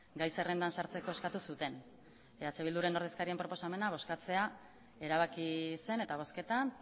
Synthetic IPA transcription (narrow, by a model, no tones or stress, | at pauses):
ɡajse̞re̞nd̪ansaɾt͡se̞ko̞e̞skat̪usut̪e̞n | eat͡ʃe̞βild̪uɾe̞no̞ɾð̞eskaɾie̞mpɾo̞po̞same̞naβ̞o̞skat͡se̞a | e̞ɾaβ̞akise̞ne̞t̪aβ̞o̞ske̞t̪an